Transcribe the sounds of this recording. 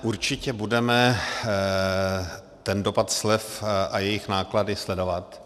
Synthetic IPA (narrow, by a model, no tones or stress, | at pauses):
ʔuɾt͡ʃɪcɛbudɛmɛ | t̪ɛndo̞pat̪slɛfʔajɛjɪxnaːkladɪslɛdo̞vat̪